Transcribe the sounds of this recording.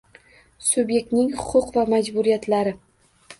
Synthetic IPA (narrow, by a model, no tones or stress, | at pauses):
sʊbje̞k̚ʲt̪nɪŋhʊqʰʊqvamad͡ʒbʊɾijat̪laɾɪ